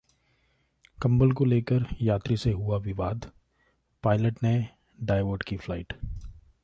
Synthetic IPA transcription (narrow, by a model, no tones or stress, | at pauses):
kɐ̃mbəlkoleːkəɾjaːt̪ɾiseɦuabʱibaːd̪ | paːɪləʈne | ɖaːɪʋəːɖkiflaɪʈ